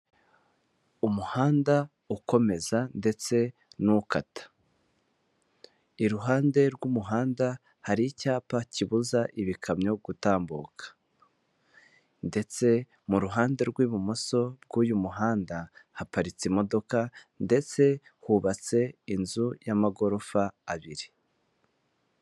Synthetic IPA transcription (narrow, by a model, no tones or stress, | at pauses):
umuhaːnda | uko̞me̞zande̞t͡se̞nukatḁ | iɾuɦaːnde̞ɾɡumuɦaːnda | haɾicaːpaciβuzaʔiβikʰamɲo̞ɡ̥utaːmbuːkʰḁ | nde̞t͡se̞ | muɾuɦaːnde̞ɾɡwiːβumoso̞bɡuːjumuɦaːndahapaɾit͡simo̞do̞kande̞t͡se̞huβat͡se̞inzujamaɡo̞ɾo̞faːβiɾi